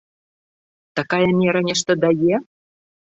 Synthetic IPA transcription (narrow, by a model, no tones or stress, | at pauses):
t̪ɑkɑjəmʲeɾanʲeʃt̪ə̆d̪ɑje